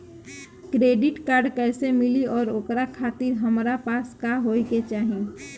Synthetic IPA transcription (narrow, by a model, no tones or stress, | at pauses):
kɾeːɖɪʈkaːɾɖkɛːsemɪliɔːɾoːkɾakʰaːt̪ɪɾɦəmɾapaːskaɦoːiket͡ʃaːɦ